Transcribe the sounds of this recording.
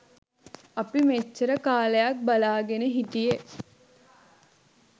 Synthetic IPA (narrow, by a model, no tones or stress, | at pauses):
ɐpimet͡ʃːəɾəkaːləjak̚balaːɡenəɦit̪ije